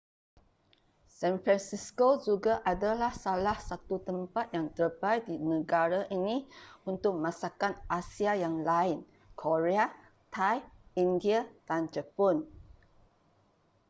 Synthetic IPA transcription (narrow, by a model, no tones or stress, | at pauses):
sɛ̃nfɾansiskod͡ʒuɡaʔadalahsalahsat̪ut̪əmpat̪̚jaŋt̪ərbajdinə̃ɡaɾaʔiniunt̪ʊk̚mãsakanʔasiajaŋlaɪn | kʰoɾea | t̪ʰajindiad̥and͡ʒəpɔn